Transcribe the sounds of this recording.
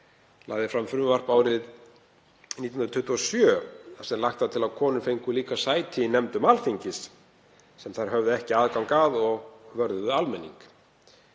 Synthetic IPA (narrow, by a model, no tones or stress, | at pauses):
la̰ːɣðɪfɾamfʏɾʏmʏvar̥paːwɾɪð | nit̪inɾt̪ʰʏht̪uɔsjœasɛmlaht̪aðt̪ʰɪlaðkʰɔːnʏfejŋkʏliːkasaːjt̪ʰɪːnɛmt̪ʏmalfiɲcɪsː | ɛmθaɾ̥ɦœvðʏɛhcɪaːðkaŋkaːðɔɣvœɾðʏðʏalmɛnːḭŋk